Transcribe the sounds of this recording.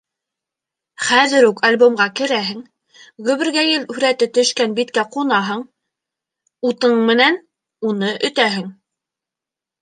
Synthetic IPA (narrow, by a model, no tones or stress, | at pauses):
χæðɘɾukɐlʲbomɢɑkɘ̆ɾæɦɘ̆ŋ | ʁɵ̆βɘ̆ɾɡæjɘlʉɾæt̪ɘt̪ɵ̆ʃkænbit̪kæqunɑɦɤɴ | ut̪ɤɴmɘ̆næn | unɤʔɵ̆t̪æɦɘŋ